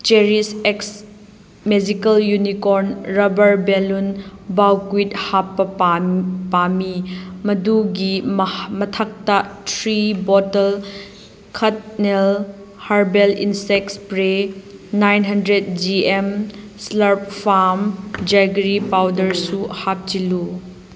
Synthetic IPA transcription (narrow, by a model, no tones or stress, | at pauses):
t͡ʃeɾiseks | med͡ʒikɐljunikoɾnɾɐbɐɾbelunbawkuithapːɐ | pamimɐduɡimɐtʰak̚tɐtʰɾibɔtɐl | kʰɐt̚nel | haɾbelḭnsek̚spɾenajnɦɐndɾet̚d͡ʒiemslɐɾp̚fʰaɾmd͡ʒajɡɾipawdɐɾsuhap̚t͡ʃilu